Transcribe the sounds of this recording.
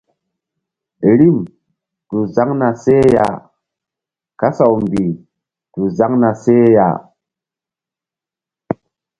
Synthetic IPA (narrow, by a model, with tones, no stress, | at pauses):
ɾi˦m | tu˨za˦ŋna˨se˦ja̰˨ | ka˦sa˨wmbi˨ | tu˨za˦ŋna˨se˦ja̰˨